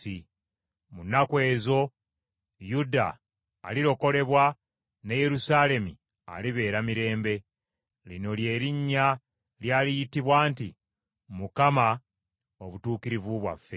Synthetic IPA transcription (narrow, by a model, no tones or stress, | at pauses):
i | munakwe̞ːzo̞ | juda̰ː | liɾo̞ko̞le̞βwa | neje̞ɾusaːle̞mi | a̰liβe̞ːɾamiɾe̞ːmbe̞ | lino̞lje̞ːɾiɲːa | ljaːlijitiβwaːntḭ | mukama | o̞βutuːkiɾivuβwa̰fːe̞